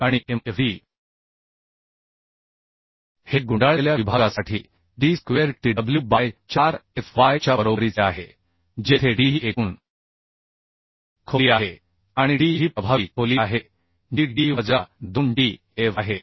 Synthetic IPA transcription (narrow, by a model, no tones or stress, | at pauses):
aɽ̃ieefiː | heɡuɳɖaɭeljaʋibʱaɡasaʈʰḭː | ɖiːskʋeɾʈiɖəbljuːbajt͡ɕaɾefʋajt͡ɕjabəɾobəɾit͡seaɦe | d͡ʑet̪ʰeɖiɦiːekuːn | kʰoliaɦe | aɽ̃iɖiɦiːpɾəbʱaʋiːkʰoliaɦe | ɖiɖiʋəd͡zad̪unɖi | eʋaɦe